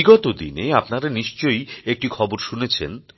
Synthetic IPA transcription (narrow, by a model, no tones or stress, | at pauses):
iɡɔt̪od̪ineapnaɾaniʃt͡ɕojek̚ʈikʰɔboɾʃunet͡ɕʰḛn